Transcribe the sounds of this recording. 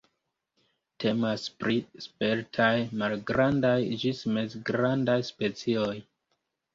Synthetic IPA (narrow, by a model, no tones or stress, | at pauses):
tʰe̞maspɾispe̞ɾtʰajmalɡɾandajd͡ʒisme̞zɡɾandajspe̞t͡sioj